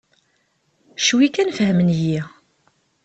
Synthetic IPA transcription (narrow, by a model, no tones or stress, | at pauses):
ʃwikænfəɦəmənji